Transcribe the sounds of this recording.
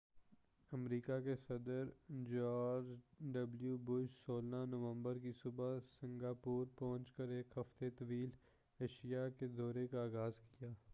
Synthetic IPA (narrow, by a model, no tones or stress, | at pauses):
əmɾiːkakesɐd̪əɾd͡ʒaːɾɾd͡ʒɖəbljubʊd͡ʒsoːlnanəʋə̃mbəɾkisʊbasɪ̃ŋɡaːpuːɾpɔɦʊ̃nt͡ʃkəɾeːkɦɐft̪et̪əʋiːl | eːʃijaked̪ɔːɾekaaːɣaːzkijaː